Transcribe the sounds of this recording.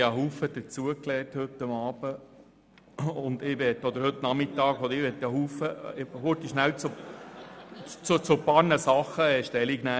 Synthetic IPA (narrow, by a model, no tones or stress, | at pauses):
əɦuːfəd̪̥ət͡suəklɛːthɵt̪ːəmɑːb̥ə | ʊnd̪ɪʋɛtːɔd̪əɾhɵt̪ːnɑmɪt̪ːɑːɡɔd̪əɾɪʋɛt̪ːəhuːfəhot̪iʃnæwt͡so | t͡sut͡sʊpɑɾnəsɑχːəɛʃtɛliɡnæ